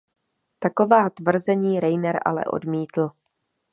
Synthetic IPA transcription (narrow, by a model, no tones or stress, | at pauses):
t̪ako̞vaːt̪vr̩zɛɲiːɾɛjnɛɾʔa̰lɛ̰ʔo̞̰dmiːt̪l̩